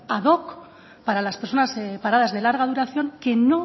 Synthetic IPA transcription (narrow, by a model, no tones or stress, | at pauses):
aðo̞k | paɾalaspeɾso̞naspaɾað̞azðe̞laɾɣ̞að̞uɾaθjo̞ŋke̞no̞